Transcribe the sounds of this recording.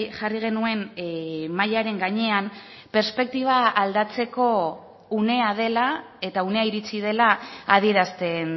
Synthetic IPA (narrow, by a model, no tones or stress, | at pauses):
ʝariɣ̞e̞nue̞n | majaɾe̞ŋɡaɲe̞am | pe̞ɾspe̞k̚t̪iβ̞aald̪at͡se̞ko̞ | une̞að̞e̞la | e̞t̪aune̞aiɾit͡sið̞e̞laað̞ie̞ɾast̪e̞n